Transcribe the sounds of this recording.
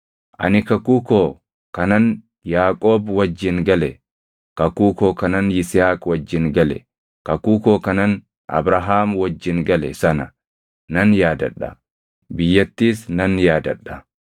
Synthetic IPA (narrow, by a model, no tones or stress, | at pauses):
ʔɐ̰nɪkɐkuːkoː | kɐnɐn | jaːkʼoːbwɐd͡ʒːɪŋɡɐlɛ | kɐkuːkoːkɐnɐnɪshaːkʼwɐd͡ʒːɪŋɡɐlɛ̰ | kɐkuːkoːkɐnɐn | ʔɐ̰bɾaɦaːmwɐd͡ʒːɪŋɡɐlɛsɐnɐ | nɐnjaːd̪ɐ̰ᶑɐ̰ | bɪjːɐt̪ːiːsnɐnjaːd̪ɐᶑːɐ̥